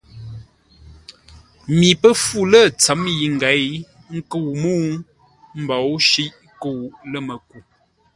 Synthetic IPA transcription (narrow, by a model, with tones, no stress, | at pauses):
mi˨pə˦fu˦˨lə˦˨t͡sə˨˦mji˨ŋ̩˨ɡa˨˦j | ŋ̩˦kə˦˨wmu˦ | m̩˦bɔ˨wʃi˦ʔ | kə˦˨wlə˦mə˨ku˦˨